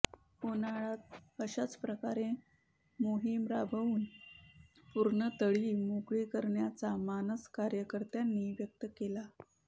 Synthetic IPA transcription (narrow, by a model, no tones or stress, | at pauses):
onaɭat̪̚əɕat͡spɾəkaɾe | moɦimɾabʱəʋuːn | puɾɳət̪əɭiːmukɭiːkəɾɳjat͡samanəskaɾjəkəɾt̪janːiʋjək̚t̪əkela